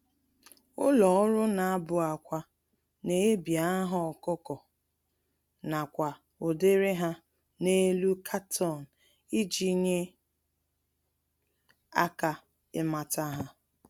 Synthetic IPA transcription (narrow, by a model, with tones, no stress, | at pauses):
ʊ̰˦lɔ˨ʊ˦ɾʊ˦na˨a˦bʊ˨a˨kʷa˨ | ne˨˦bja˦ɦɔ˦ɔ˨kɔ˦kɔ˨ | na˨kʷa˨ | o˨de˦ɾe˦ɦa˦ | ne˦lu˦kʰa˦tʰɔ˦˨n̩˨ | i˦d͡ʒi˦ɲe˦ | a̰˦ka˨ | ɪ˦ma˨ta˦ɦa˦